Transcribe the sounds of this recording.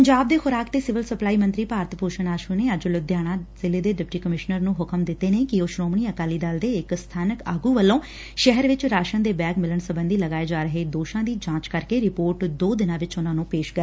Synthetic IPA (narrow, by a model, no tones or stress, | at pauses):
pəɲd͡ʒaːb̚d̪eːxʊɾaːkt̪eːsɪʋəlsəplaːiːmə̃nt̪ɾiːpaːɾət̪poːʃəɳaːʃuːneːəd͡ʒlʊd̪jaːɽ̃ãːzɪleːd̪eːɖɪp̚ʈiːkəmɪʃnəɾnũːɦʊkəmd̪ɪt̪ːeːneːkɪoːʃɾoːmɳ̃iːəkaːliːd̪aːld̪eːɪkst̪ʰaːnəkaːɡuːʋəlːõː | ʃɛɦəɾʋɪt͡ʃɾaːʃənd̪eːbɛːɡmɪləɳsəbənd̪iːləɡaːeːd͡ʒaːɾəɦeːd̪oːʃãːd̪iːd͡ʒãːt͡ʃkəɾkeːɾɪpoːɾʈd̪oːd̪ɪnãːʋɪt͡ʃʊnãːnũːpeːʃkəɾ